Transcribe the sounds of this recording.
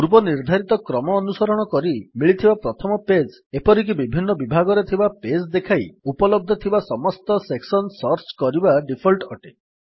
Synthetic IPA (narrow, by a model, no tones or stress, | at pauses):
uɾbɔniɾd̪ʱaɾit̪ɔkɾɔmɔːnusɔɾɔɽ̃ɔkɔɾimiɭit̪ʰibapɾɔt̪ʰɔmɔped͡ʒ | epɔɾik̬ibibʱinːɔbibʱaɡɔɾet̪ʰibaped͡ʒd̪ekʰajupɔlɔb̚d̪ʱɔt̪ʰibasɔmɔst̪ɔseksɔnsɔɾt͡ʃkɔɾibaɖipʰɔlʈɔʈe